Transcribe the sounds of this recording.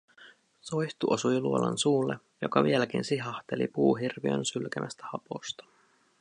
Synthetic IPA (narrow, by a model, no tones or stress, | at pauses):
sojçt̪uʔosujluolɑ̰nsuːlːe | jo̞kɑʋielækinsiɦɑht̪elḭpuːɦirʋiø̰nsylkæmʔæst̪æ̥hɑpo̞̰st̪ɑ̥